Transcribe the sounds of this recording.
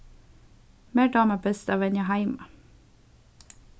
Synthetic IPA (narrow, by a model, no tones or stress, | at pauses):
meːɖɑːməbɛst̪ɑʋɛnəɦæɪmɑ